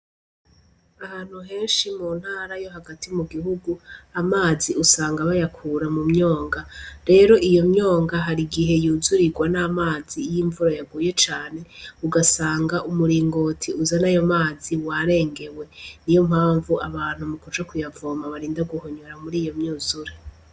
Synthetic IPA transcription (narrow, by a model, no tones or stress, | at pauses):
ahaːn̥huɦe̞ːnʃimuːn̥haːɾajo̞ɦaɡatimuɡiɦuɡuamaːziusaːŋɡaβajakʰuːɾamumɲo̞ːŋɡaɾe̞ɾo̞ʔijo̞mɲo̞ːŋɡaɦaɾiɡiɦe̞juːzuɾiɡwanamaːzijiɱvuɾajaɡuːje̞t͡ʃaːne̞uɡasaːŋɡaʔumuɾiːŋɡo̞ːtʰiuzanajo̞maːziwaɾe̞ːŋɡe̞we̞nijo̞mhaːɱvuʔaβaːn̥humukut͡ʃakujavoːmaβaɾiːndaɡuhoɲoɾamuɾiːjo̞mɲuːzuɾe